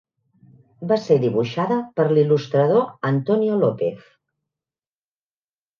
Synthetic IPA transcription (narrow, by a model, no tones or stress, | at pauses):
baseðiβuʃaðəpəɾlilust̪ɾəðoənt̪ɔniulɔpeθ